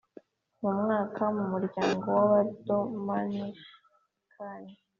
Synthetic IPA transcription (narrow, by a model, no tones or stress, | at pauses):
mumŋaːkʰamumuɾɟaːŋɡo̞waβatomaniʃ | kʰaːɲe